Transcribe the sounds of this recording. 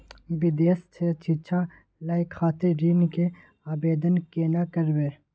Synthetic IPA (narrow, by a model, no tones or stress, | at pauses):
ibid̪eːst͡ʃʰet͡ʃʰit͡ʃʰa | laːjkʰaːt̪eɾiːnke | aːbeːd̪ənkeːnakəɾweː